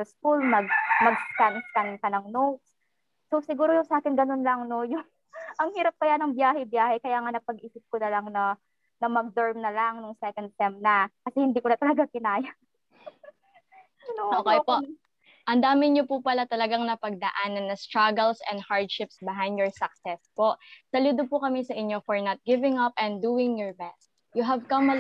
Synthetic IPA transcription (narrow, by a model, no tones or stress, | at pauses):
sɐskulmɐɡ̚mɐɡ̚skanskankɐnɐŋnots | sosɪɡuːɾojʊsɐʔaːkɪnɡɐno̞nlɐŋno̞jʊŋ | ʔɐŋhiːɾɐp̚kɐjanɐŋbjaːɦɛbjaːhɛkɐjaːŋanɐpɐɡʔiːsɪp̚konɐlaŋnɐ | nɐmɐɡ̚d̪ɛɹmnɐlaŋnʊŋsɛkɐnd̪̚t̪ɛmnɐkɐsɛhɪnd̪iːkʊnɐt̪ɐlɐɡakɪnaːjɐ | ʔoːkɛjpo | ʔɐnd̪aːmɪɲopupɐlat̪ɐlɐɡaŋnɐpɐɡ̚d̪ɐʔanːɐnːɐst̪ɹɐɡɛlsɛ̃nd̪̚haɹd̪̚ʃɪpsbɪɦajnd̪̚jɔɹsɐk̚sɛspoʔsɐluːd̪opʊkɐmɛsɐʔɪɲːo̞fɔɹnɐt̪̚ɡɪvɪŋɐpʔɛ̃nd̪uːɪŋjɔɹbɛst̪ | jʊɦɐvkɐmɐ